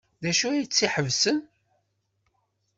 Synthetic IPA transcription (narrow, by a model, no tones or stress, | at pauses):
ðæʃuæjt͡sːiħəvsən